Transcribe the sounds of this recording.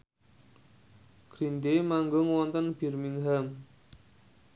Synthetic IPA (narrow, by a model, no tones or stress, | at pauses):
ɡ̥ɾind̪emaŋɡoŋwɔnt̪ənb̥i̤rmiŋɦam